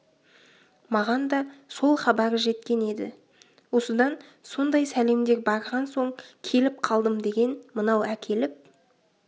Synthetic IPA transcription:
mɑʁɑnd̪ɑso̞lˠχɑbɑɾəʒe̞t̪kʲe̞ne̞d̪ɪ̰ | wo̞səd̪ɑnso̞nd̪ɑjsæle̞md̪e̞ɾbɑɾʁɑnso̞ɴkʲʰe̞lɪp̚qʰɑlˠd̪əmd̪e̞ɡʲe̞nmənɑwækʲʰe̞lɪp̚

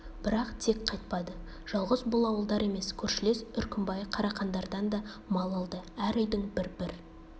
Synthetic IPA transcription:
b̥ɪɾɑqt̪ʰe̞kqʰɑjt̪̚pɑd̪ə | ʒ̥ɑlˠʁəzbʊlˠɑwəlˠd̪ɑɾe̞me̞skʲʰɵɾʃɪle̞sʏɾkʲɪmbɑjqʰɑɾɑqɑnd̪ɑɾd̪ɑnd̪ɑ | mɑlˠɑlˠd̪əæɾʏjd̪ɪŋbɪɾbɪɾ

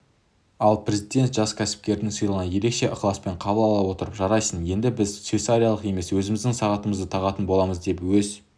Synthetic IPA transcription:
ɑlˠpʰɾe̞zid̪e̞nt̪ʒ̥ɑskʲʰæsɪ̥p̚kʲe̞ɾd̪ɪŋsijlˠʁɑnje̞ɾe̞kʃe̞ʔʊqlˠɑspe̞ɴqʰɑbəlˠɑlˠɑwo̞t̪əɾəpʒɑɾɑjsənje̞nd̪ɪbɪzt̪sfet̪saɾʲijalˠəqe̞me̞swɵzɪmɪzd̪ɪŋsɑʁɑt̪əməzd̪ət̪ʰɑʁɑt̪ənbo̞lˠɑməzd̪e̞pwɵz

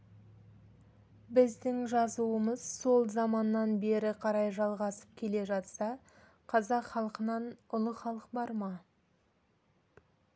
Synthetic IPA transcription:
bɪzd̪ɪŋʒɑzuəməz̥so̞lˠzɑmɑnːɑnbe̞ɾɪqʰɑɾɑjʒɑlˠʁɑsə̥p̚kʲʰe̞le̞ʒɑt̪sɑ | qʰɑzɑqχɑlˠqənɑnʊlˠəχɑlˠəqbɑɾmɑ

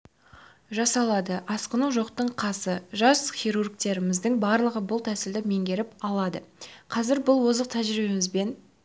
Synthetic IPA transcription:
ʒɑsɑlˠɑd̪əʔɑsqənuwʒo̞qt̪əɴqʰɑsəʒɑsχʲijɾurɡt̪e̞ɾɪmɪzd̪ɪŋbɑɾlˠəʁəbʊlˠt̪ʰæsɪld̪ɪme̞ŋɡʲe̞ɾɪpɑlˠɑd̪əqʰɑzɪɾbʊlˠwo̞zəqt̪ʰæʒɾibe̞mɪzbe̞n

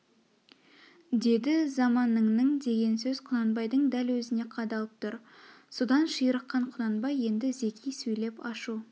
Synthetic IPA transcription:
d̪e̞d̪ɪzɑmɑnːəɴnəɴd̪e̞ɡʲe̞nsɵz̥qʰʊnɑnbɑjd̪əɴd̪ælwɵzɪne̞qʰɑd̪ɑlˠəp̚t̪ʰʊɾ | sod̪ɑnʃijəɾəqːɑɴqʰʊnɑnbɑje̞nd̪ɪze̞kʲʰijsɵjle̞pɑʃu

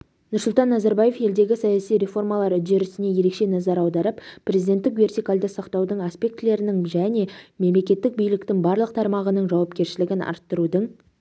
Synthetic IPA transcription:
nʊɾsʊlˠt̪ɑnːɑzɑɾbaje̞fje̞ld̪e̞ɡʲɪsɑjɑsijɾe̞fo̞rmɑlˠɑɾʏd̪e̞ɾɪsɪne̞je̞ɾe̞kʃe̞nɑzɑɾɑwd̪ɑɾəppʰrʲezid̪e̞nt̪ːɪkve̞rt̪ijkald̪əsɑqt̪ɑwd̪əɴaspʲe̞k̚t̪ɪle̞ɾɪnɪŋʒæne̞me̞mle̞kʲe̞t̪ːɪk̚bijlɪkt̪ɪŋbɑɾlˠəq̚t̪ʰɑɾmɑʁənəɴʒɑwɑpkʲe̞ɾʃɪlɪɡʲɪnɑ̰ɾt̪ːəɾud̪əɴ

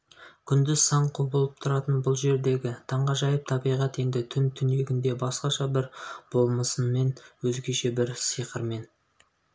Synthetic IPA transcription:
kʲʰʏnd̪ɪzsɑɴqʰobəolˠəp̚t̪ʰʊɾɑt̪ənbʊlˠʒe̞ɾd̪e̞ɡʲɪt̪ʰɑɴʁɑʒɑjəp̚t̪ʰɑbijʁɑt̪e̞nd̪ɪt̪ʰʏnt̪ʰʏne̞ɡʲɪnd̪e̞bɑsqɑʃɑbɪɾb̥o̞lˠməsənme̞nwɵzɡʲe̞ʃe̞bɪɾsijqəɾme̞n

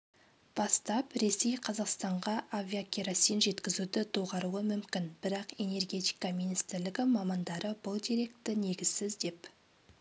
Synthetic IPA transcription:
b̥ɑst̪ɑpɾe̞se̞jqʰɑzɑqst̪ɑɴʁɑʔaviakʲʰeɾasijnʒe̞t̪kʲɪzud̪ɪd̪ʰoʁɑɾuəmʏmkʲɪnbɪɾɑqe̞ne̞rɡʲe̞t̪i̥jkɑminist̪ɪɾlɪɡʲɪmɑmɑnd̪ɑɾəbʊlˠd̪iɾe̞kt̪ːɪne̞ɡʲɪzsɪzd̪e̞p

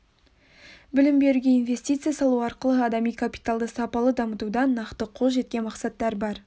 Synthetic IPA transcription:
bɪlɪmbe̞ɾuɡʲe̞invʲe̞sʲt̪ʲijt̪sɨjasɑlˠuɑɾqəlˠəɑd̪ɑmijkʰapʲi̥t̪alˠd̪əsɑpɑlˠəd̪ɑmət̪ud̪ɑnɑqt̪əqʰolˠʒe̞t̪kʲe̞nmɑqsɑt̪ːɑɾbɑɾ

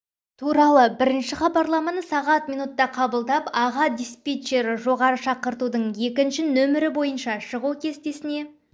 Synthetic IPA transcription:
t̪ʰuɾɑlˠəbɪɾɪnʃɪχɑbɑɾlˠɑmɑnəsɑʁɑt̪mijnut̪ːɑqʰɑbəlˠd̪ɑpɑʁɑd̪ʲijspʲet͡ʃːe̞ɾʒo̞ʁɑɾəʃɑqəɾt̪ud̪əɴje̞kʲɪnʃɪnɵmɪɾɪbo̞jənʃɑʃəʁukʲʰe̞st̪e̞sɪne̞

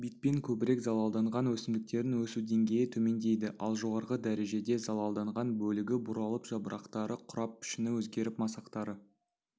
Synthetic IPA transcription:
bijt̪̚pe̞ŋkʲʰɵbɪɾe̞kzɑlˠɑlˠd̪ɑɴʁɑnwɵsɪmd̪ɪk̚t̪e̞ɾɪnwɵsud̪e̞ŋɡʲe̞jɪt̪ʰɵme̞nd̪e̞jd̪ɪʔɑ̰lˠʒo̞ʁɑɾʁəd̪æɾe̞ʒe̞d̪e̞zɑlˠɑlˠd̪ɑɴʁɑnbɵlɪɡʲɪbʊɾɑlˠəpʒ̥ɑbəɾʔɑqt̪ɑɾəqʰʊɾɑp̚pʏ̥ʃɪnɪwɵzɡʲe̞ɾɪpmɑsɑqt̪ɑɾə

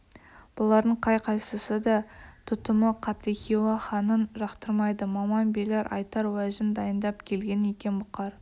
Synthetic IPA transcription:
b̥olˠɑɾd̪əɴqʰɑjqʰɑjsəsəd̪ɑt̪ʰʊt̪əməqʰɑt̪ekʲiwɑχɑnənʒɑqt̪əɾmɑjd̪əmɑmɑnbeleɾʔɑ̰jt̪ɑɾwæʒɪnd̪ɑjənd̪ɑpkʲʰe̞lɡʲe̞ne̞kʲe̞nbʊqːɑɾ

